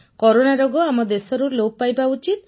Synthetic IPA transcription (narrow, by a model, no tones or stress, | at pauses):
kɔɾonaɾɔɡɔamɔd̪esɔɾulopajbaut͡ʃit̪̚